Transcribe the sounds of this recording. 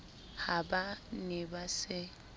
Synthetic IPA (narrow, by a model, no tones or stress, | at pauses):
habanɪbasɪ